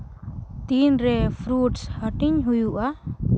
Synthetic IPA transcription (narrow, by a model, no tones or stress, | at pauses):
t̪inɾɛpʰɾuʈshəʈiɲɦujuʔa